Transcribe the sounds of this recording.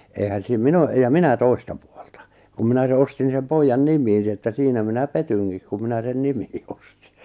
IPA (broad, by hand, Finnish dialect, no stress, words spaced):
eˑihæn siːm min o jɑ minæ toi̞stɑ pu̥o̥l̥tɑ̥ kum minæ se ostin sem poijːɑn nimˑiːn ni etːæ siːnæ minæ petyŋkik ku minæ sen nimi̥ː o̥sti̥